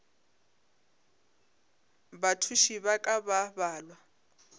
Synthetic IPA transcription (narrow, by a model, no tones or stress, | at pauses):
batʰuʃiβakʼababaːlwa